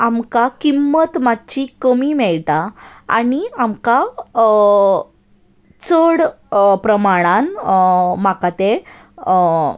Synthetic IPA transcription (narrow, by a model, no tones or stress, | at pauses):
amkakimːət̪matːt͡ɕikəmimɛɭtaa̰niamka | t͡səɽ | pɾəmaɽ̃ãn | makat̪e